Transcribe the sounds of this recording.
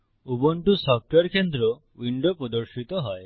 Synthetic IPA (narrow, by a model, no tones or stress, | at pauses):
ubɔɳʈusɔk̚ʈeɾkʰend̪ɾɔ | wiɳɖɔpɾɔd̪ɔɾʃit̪ɔɦɔj